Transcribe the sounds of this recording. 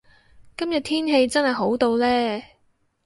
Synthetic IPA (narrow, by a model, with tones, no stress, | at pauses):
kɐ˥mjɐ˨t̚t̪ʰiː˥nɦe˧jt͡sɐ˥nhɐ˨˩jɦo˨˥wt̪o˧wlɛː˥